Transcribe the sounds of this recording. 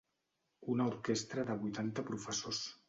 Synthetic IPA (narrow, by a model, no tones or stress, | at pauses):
unəuɾkest̪ɾəðəβ̞ujt̪ant̪əpɾufəsos